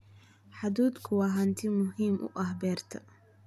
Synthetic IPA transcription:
ħad̪uːd̪kʰʊwɑːɦɐnt̪ʰɪmʊɦiːmʔʊ̰ʔɐhbɛːrt̪ʰɐ

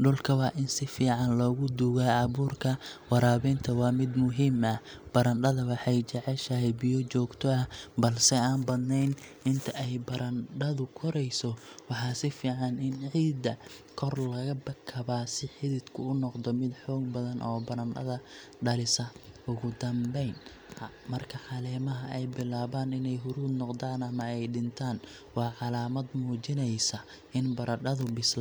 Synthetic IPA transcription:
ɖʊlkʰɐwɑːʔɪnsɪfiːʕɑnlɔːɣʊd̪uɣaːɑβuːrkʰɐwɑɾaːβɛːnt̪ʰɐwɑːmɪd̪mʊɦiːmɐb̥ɐɾɐnɖɐðɐwɑħɑjt͡ʃɐʕɛʃɐɦɛjbijɔt͡ʃɔːɡt̪ʰɔɐbɐlsɛaːnbɐd̪nɛjnʔɪnt̪ʰɐʔɛjbɐɾʔɐnɖɐðʊkʰɔɾɛjsɔwɑħɑːsɪfiːʕɑnɪnʕiːd̪ɐ | kʰɔrlɐɣɐbɐkʰːɐβaːsɪħɪðɪd̪kʰʊʊnɔqd̪ɔmɪd̪ħɔːɡ̚bɐðɐnʔɔːbɐɾɐnɐ̰ðɐ | ɖɐlɪsɐʊɣʊd̪ɐmbɛjn | mɐrkʰɐħɑlɛːmɐɦɐɛjbɪlaːβaːnɪnɛjɦʊɾuːd̪nɔqd̪aːnɐmɐɛjɖɪnt̪ʰaːn | wɑːʕɑlaːmɐd̪muːt͡ʃɪnɛjsɐ | ʔɪnbɐɾʔɐɖɐðʊbɪsl

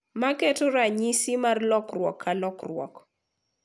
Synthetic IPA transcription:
makɛtoɾaɲisimarlɔkrwɔ̰kʰːalɔkrwɔ̰k

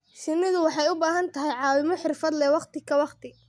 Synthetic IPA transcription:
ʃɪnːɪðʊwɑħɑjʊbaːɦɐnt̪ʰɐɦɛjʕɑːwɪmɔħɪrfɐd̪lɛwɑqt̪ʰɪkʰɐwɑqt̪ʰɪ

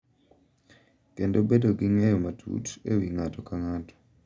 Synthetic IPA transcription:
kendobedoɡiŋɛjɔmatʰṵtḛwiŋatɔkaŋatɔ̥

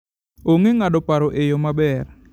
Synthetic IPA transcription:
oŋeŋaɗɔpaɾoʔejɔmabɛr

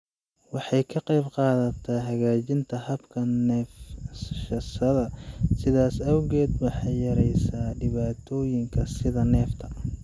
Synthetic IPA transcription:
wɑħɑjkʰɐqɑjbqɑːðɐt̪ʰɐːɦɐɣaːt͡ʃɪnt̪ʰɐhɐbkʰɐnɛːfʃɐsɐðɐsɪðaːsɐwɣɛːd̪wɑħɑjjɐɾɛjsaːɖɪβaːt̪ʰɔːjɪŋkʰɐsɪðɐnɛːft̪ʰɐ

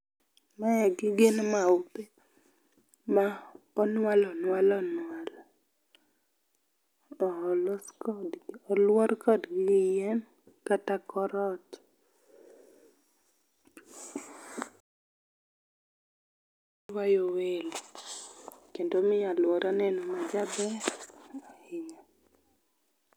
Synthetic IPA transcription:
mɛɡɪɡɪnmaupe | ma | ɔnwalɔnwalɔnwal | ɔloskɔdɡɔlwɔɾkɔdɡɪɪjɛm | katakɔɾɔt | wajowel | kendomɪalwɔɾanɛnomad͡ʒabɛ | ɔɪɲɔ

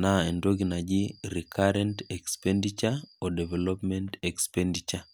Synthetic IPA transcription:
naendoɡinad͡ʒiɾikʰaɾɛntɛkspɛndit͡ʃaɔdɛvɛlɔpmɛntɛkspɛndit͡ʃa

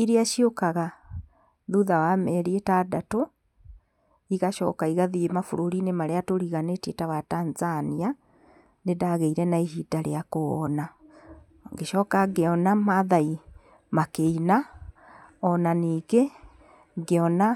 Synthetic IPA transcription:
iɾiaʃiokaɣa | ðuðawamɛɾietaːdato | iɣaʃɔ̰ːkaiɣaðiemafoɾoɾinemaɾeatoɾiɣanetetawataːnzania | nedaɣeiɾɛnaiɦiːdaɾḛakɔna | ŋɡeʃɔːkaɡeɔnamaðai | makeina | ɔnaniːɡe | ɡeɔna

